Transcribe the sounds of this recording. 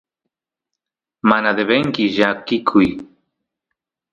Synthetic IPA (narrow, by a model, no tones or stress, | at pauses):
manad̪eβeŋkɪʒakɪkʰʊj